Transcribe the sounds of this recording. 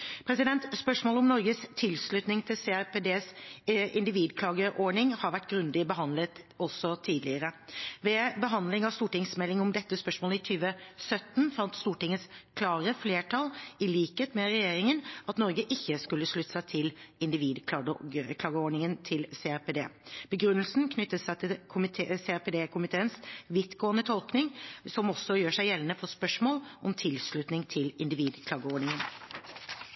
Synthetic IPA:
pʰɾɛsɪd̪ɛnt̪spœʂmoːlɔmnɔɾɡəst̪ʰɪlslʉt̪nɪŋt̪ʰɪlseæɾped̪eːsɪnd̪ɪʋiːd̪kʰlɑːɡəʔoːɳɪŋhɑɾʋæʈːɡɾʉnd̪ɪbəɦɑnd̪lət̪ | ɔsɔt̪ʰiːd̪lɪəɾəʋɛbəɦɑnd̪lɪŋɑst̪uːʈɪŋsmɛlːɪŋɔmd̪ɛt̪ːəspœʂmoːləɪt̪ʰyːʋəsœt̪ːn̩fɑnt̪st̪uːʈɪŋət̪skʰlɑːɾəfleːʈʰɑlɪliːkheːt̪mɛɾɛjeːɾɪŋənʔɑt̪nɔɾɡəʔɪçːəskʉlːəʂɭʉt̪ːsæɪt̪ʰɪlɪnd̪ɪʋiːd̪ʰɑkʰlɑːɡəɔːɳɪŋənt̪ʰɪlseːæped̪ḛːb̥əɡɾʉnːəlsnkʰnʏt̪ːəsæɪt̪ʰɪlkʰʊmɪt̪ʰːseæped̪eːkʰʊmɪt̪ʰeːənsʋɪt̪ɡoːənət̪ʰɔlknɪŋsɔmɔsːɔjøːʂæɪjɛlːənəfɔspœʂmoːlʔɔmt̪ʰɪlsɭʉt̪nɪŋt̪ʰɪlɪnd̪ɪʋiːd̪kʰlɑːɡəɔːɖɳɪŋən

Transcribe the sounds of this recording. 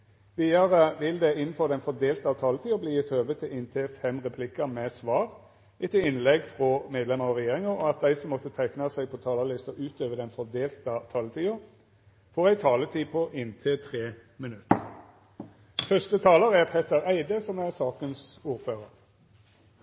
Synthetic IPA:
ʋiːɑɾəʋɪld̪ɛɪnn̩fɔʁd̪ɛɪnfɔʁd̪eːlt̪ɑʋt̪ʰɑːlət̪ʰiːʊbliːɪt̪ʰøːʋət̪ʰɪlʔɪnt̪ʰɪfɛmʁɛpʰlɪkːəmɛsʋɑːʁ | ɪt̪ɪɪnlɛɡfʁɔmeːd̪lɛməɾɑʁɛjeːʁɪŋəʔɔɑt̪̚d̪æɪsɔmːɔt̪ːət̪ʰæɪknɑsæɪɡ̚pʰɔt̪ʰɑːlɑlɪst̪ɔʔʉːt̪øːʋəd̪ɛnfɔd̪eːlt̪ɑt̪ʰɑːlət̪ʰiːʊ | foːʁæɪt̪ʰɑːlət̪ʰiːpʰɔʔɪnt̪ʰɪlt̪ʰʁeː | mɪnʉt̪ːə | fœst̪ət̪ʰɑːləɾæʁpʰet̪əɾæɪd̪əsɔmæʁsɑːkənsuːɾføːʁəɾ

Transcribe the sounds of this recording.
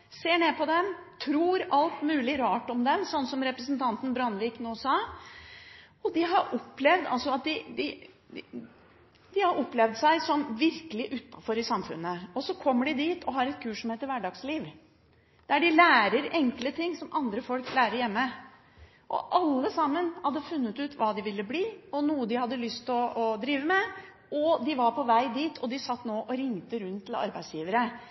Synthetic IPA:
seːɳeːpʰɔd̪ɛmt̪ʰɾuːɾɑlt̪mʉːlɪɾɑːʈɔmd̪ɛmsɔnːsɔmɾɛpɾəsənt̪ʰɑnt̪n̩bɾɑnʋiːknoːsɑː | ɔd̪ɪɦɑɾʔɔpːlɛʋd̪ɑ̰lsɔɑt̪̚d̪ɪd̪ɪ | d̪̥ɪhɑɾɔpːlɛʋd̪sæɪsɔmʋɪɾkəlɪʔʉt̪ːɑfɔɾɪsɑmfʉ̰nːəɔsɔkʰɔmːəɖɪd̪iːt̪ʰɔɦɑɾɛt̪̚kʰʉːʂʂɔmheːt̪əɾʋæɖɑːɡsliːʋ | d̪æɖɪlæːɾəɾɛŋklət̪ʰɪŋːsɔmʔɑnd̪ɾəfɔlklæːɾəɾjɛmːə | ʔɔ̰ʔɑlːəsɑmːənhɑd̪ːəfʉnːət̪ʉːt̪ʋɑːd̪ɪʋɪlːəbliːɔnuːəd̪ɪhɑd̪ːəlʏst̪ɔɔd̪ɾiːʋəmɛ | ʔɔd̪ɪʋɑɾpʰɔʋæɪd̪iːt̪ʰɔd̪ɪsɑt̪ːnoːʔɔɾɪŋːt̪əɾʉnt̪ʰːɪl̩ɑ̰ɾbæɪsjiːʋəɾə

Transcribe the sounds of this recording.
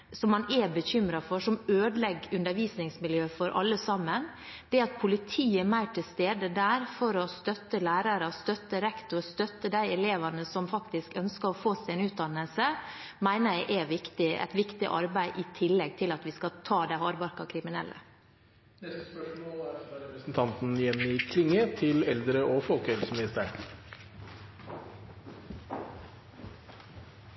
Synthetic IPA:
sɔmːɑnɛbəçʏmɾɑfɔʂɔmøːd̪lɛɡʉnd̪əɾʋiːsnɪŋsmɪljøːfɔɾʔɑ̰lːəsɑmːən | d̪̥ɛɑt̪̚pʰʊlɪt̪ʰiːəmæɪʈʰɪlst̪eːd̪əd̪æːɾfɔɾɔst̪œt̪ːəlæːɾɑɾəst̪œt̪əɾɛkt̪ʊɾst̪œt̪ːəd̪æɪɛleːʋɑnəsɔmfɑkt̪ɪskœnskəɾɔfoːsæɛnʉːt̪̚d̪ɑnːəlsəmæɪnəjæɪʔɛʋɪkt̪ɪɛ̰t̪ʋɪkt̪ɪ̰ʔɑ̰ɾbæɪʔɪt̪ʰɪlːɛɡ̚t̪ʰɪlɑt̪ʋɪskɑt̪ʰɑːd̪æɪhɑːɾbɑɾkɑkʰɾɪmɪnɛ̰lːʔə̰ | d̪ɛspœʂmoːlæɾɾɛɾəsn̩t̪ʰɑnt̪n̩jɛnːɪkʰlɪŋːət̪ʰɪlɛld̪ɾəʔoːfɔlkɛlsmɪnɪst̪əɳ

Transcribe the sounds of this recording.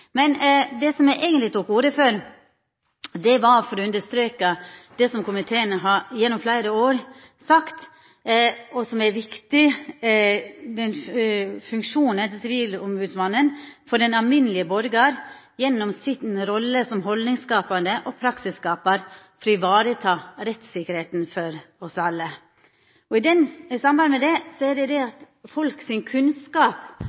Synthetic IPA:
mɛnd̪ɛsɔmjæɪʔæɪɡənlɪt̪ʰuːkuːɾəføːɾ | d̪ɛʋɑɾfɔɾɔʉnd̪əʂt̪ɾøːkəd̪̥ɛsɔmkʰʊmɪt̪ʰeːənəɦɑjɛnːɔmflæɪɾəoːɾ | sɑkt̪ | ɔsɔmæɾʋɪkt̪ɪ | d̪ɛnfʉŋkʂuːnənt̪ɪsɪʋiːlʊmbʉːd̪sʋɑnːənfɔɖɛnɑʋmɪnəlɪəbɔɾɡɑɾ | jɛnːɔmsɪt̪nɾɔlːəsɔmɦɔldnɪŋskɑːpɑnd̪əʔɔpʰɾɑksɪskɑːpəɾ | fɾɔɪʋɑːɾət̪ʰɑːɾɛt̪sɪkəɾheːt̪n̩fɔɾɔsɑlːə | ɔɪd̪ɛnsɑmbɑnd̪əmɛd̪ɛsɔɛɖɛd̪ɛɑt̪ | fɔlksɪŋkʰʉnskɑːp

